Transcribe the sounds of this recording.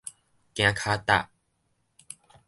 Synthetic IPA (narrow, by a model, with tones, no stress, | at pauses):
kj̃ã˧kʰa˧t̪a̰˨ʔ